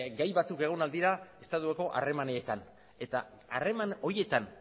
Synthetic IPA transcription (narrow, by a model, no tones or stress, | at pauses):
ɡajβat͡suke̞ɣ̞o̞nald̪iɾae̞st̪at̪ueko̞ʔa̰re̞maneːt̪an | e̞t̪a | are̞mano̞ɾije̞t̪an